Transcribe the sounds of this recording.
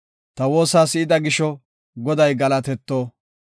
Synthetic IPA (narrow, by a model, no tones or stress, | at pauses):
t̪ɐwo̞ːsaːsɪɪd̪ɐɡɪʃɔ | ɡɔd̪ɐjɡɐlɐt̪ɛt̪ːoː